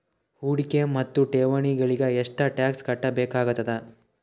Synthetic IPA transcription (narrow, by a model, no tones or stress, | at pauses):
huːɽikemɐt̪ːuʈeːʋɐɳiɡɐɭiɡɐeʂʈɐʈjaːkskɐʈːɐbeːkaːɡut̪ːɐd̪ɐ